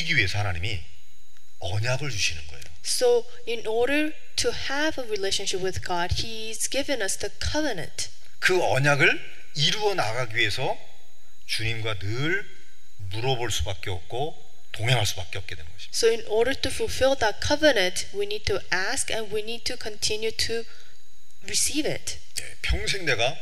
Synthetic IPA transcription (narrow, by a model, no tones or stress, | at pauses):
iɡiɥie̞sʰʌhanaɲimi | ʌɲaɡɯɭt͡ɕuɕʰinɯnɡʌejo | soʊ | ɪ̃nʔɔɹɾə˞ | tʰuhəvəɹileɪʃə̃nʃɪpwɪðɡɑd̚hi | zɡɪvɨ̃nʌsðəkʰʌvənɨ̰̃nt | kɯʌɲaɡɯɭ | iɾuʌnaɡaɡiɥiesʰʌ | t͡ɕuɲimɡwanɯɭ | muɾʌboɭs͈ubak̚k͈eʌp̚k͈o | toŋɦeŋɦaɭs͈ubak͈eʌp̚k͈e̞dwenŋɡ̥ʌɕʰi̥soʊɪ̃nʔɔɹɾə˞tufulˠfɪlˠðət̚kʰʌvənɨ̃ntwinid̚tʰuʔæskɛ̃nwinid̚tʰɨkʰə̃ntʰɪ̃njutʰu | ɹisivɪ̰t | nḛpʰjʌŋs̬ʰeŋneɡa